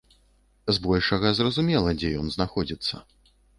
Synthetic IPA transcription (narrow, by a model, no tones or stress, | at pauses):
zbɔlʲʂɐɣɐzrɐzumʲɛlˠɐd͡zʲɛjɔnznaxɔd͡zʲit̪sːɐ̰